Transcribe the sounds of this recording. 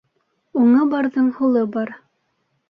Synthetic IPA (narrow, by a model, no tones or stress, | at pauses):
uɴɤbɑɾðɤɴhulˠɤbɑɾ